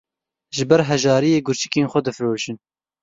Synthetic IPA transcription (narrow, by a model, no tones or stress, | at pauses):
ʒɨbɛɾɦɛʒɑːɾijeːɡʊɾt͡ʃi̥keːnxʷɛd̪ɨfɾoːʃɨn